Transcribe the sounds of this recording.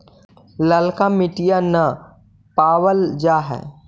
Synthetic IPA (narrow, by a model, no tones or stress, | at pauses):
ləlkamɪʈijanɐ | paːwəld͡ʒaːɦɛ̰ː